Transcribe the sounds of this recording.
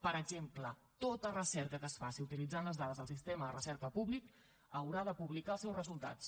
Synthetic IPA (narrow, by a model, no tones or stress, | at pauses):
pəɾəɡzemplə | t̪ot̪ərəsɛɾkəkəsfasiut̪ilid͡zanləzðaðəzðəlˠsist̪eməðərəsɛɾkəpuβlik | əwɾaðəpuβlikaəlˠsɛwzrəzulˠt̪a̰t͡s